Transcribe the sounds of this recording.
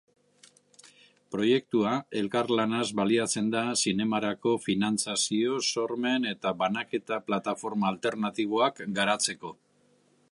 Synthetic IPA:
pɾo̞je̞k̚t̪uae̞lkaɾlanazβaliat͡se̞nd̪asine̞maɾako̞finant͡sasio̞so̞ɾme̞ne̞t̪aβanake̞t̪aplat̪afo̞ɾmaːlt̪e̞ɾnat̪iβ̞o̞akɡaɾat͡se̞ko̞

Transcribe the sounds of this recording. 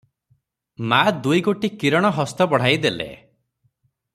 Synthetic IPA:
mad̪ujɡoʈikiɾɔɽ̃ɔɦɔst̪ɔbɔɽ̤ajd̪elḛ

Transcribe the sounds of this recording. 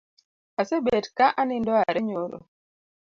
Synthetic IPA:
asebetkaʔanɪndɔaɾɛɲoɾo̰

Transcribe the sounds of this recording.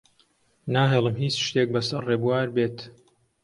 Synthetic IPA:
naːɦeːlˠəmɦiːt͡sʃt̪eːk̚bɐsɐrreːbuwaːɾbeːt̪

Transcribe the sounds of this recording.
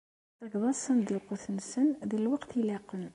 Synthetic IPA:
θæɡðˤɑsənd̪əlqoθənsənðiləlwɑqt̪ilæqən

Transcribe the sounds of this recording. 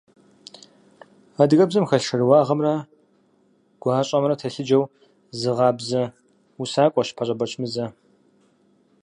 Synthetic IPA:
aːdɨɣɐbzɐmxɐɬʂɐrɨwaːʁɐmrɐ | ɡ̥ʷɑːɕʼɐmrɐtʰɐɬɨd͡ʒɐw | zɨʁɑːbzɐ | usaːkʷʼɔɕpʰɐɕʼɐbɐt͡ʃʰʼmɨzɐ

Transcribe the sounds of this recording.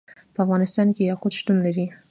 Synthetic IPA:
pɑvʁɑnist̪ɑnkijɑχut͡ʃʰt̪unnɛɾi

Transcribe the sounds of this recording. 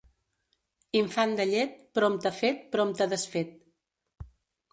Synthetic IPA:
iɱfand̪əʎɛt̪̚pɾomt̪əfet̪̚pɾomt̪əðəsfet̪̚

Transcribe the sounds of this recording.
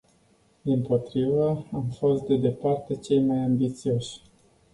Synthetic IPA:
d̪impo̞t̪ɾivəamfo̞st̪̚d̪e̞d̪e̞part̪e̞t͡ʃe̞jmajambit̪sio̞ʃʲ

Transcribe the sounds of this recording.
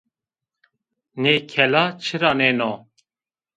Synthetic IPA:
nekʰɛlat͡ʃʰɨɾaneno

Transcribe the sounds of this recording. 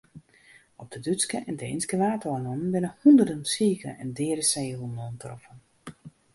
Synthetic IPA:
ɔp̚d̥ədyskəʔɛndə̰ɪnskəʋaːtoanɔnnbɪnəhundərdənsiːkə̰ɛndɪːəɾəseːɦunɔntrɔ̰fən

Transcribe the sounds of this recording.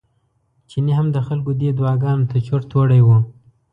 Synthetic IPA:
t͡ʃiniɦamd̪əxalkod̪ed̪wɑɡɑnot̪at͡ʃoɾt̪oɽajwu

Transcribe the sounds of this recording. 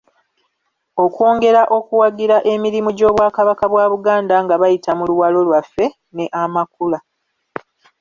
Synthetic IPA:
o̞kwo̞ːŋɡe̞ɾaʔo̞kuwaɡiɾaʔe̞miɾimuɟo̞ːβwaːkaβakaβwaːβuɡaːndaŋɡaβajitamuluwalo̞lwafːe̞ | ne̞ʔamakula

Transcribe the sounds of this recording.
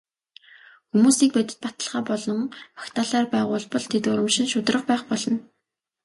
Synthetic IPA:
xumuːsiːk̚pæt̪ʲɪ̥̆t̪̚pat̪ə̆ɮχaːpɔɮɞ̆ŋpḁkt̪ʰaːɮaːrpæːʁʊːɮpɔ̆ɮt̪ʰet̪ʊɾə̆mʃɪ̆nʃʊt̪rə̆qpæːχpɔɮɞ̆n

